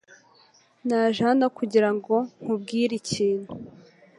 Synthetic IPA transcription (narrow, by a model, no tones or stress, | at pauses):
naʒanakuɟiɾaŋɡo̞ŋ̥ub̚ɡiːɾiciːn̥u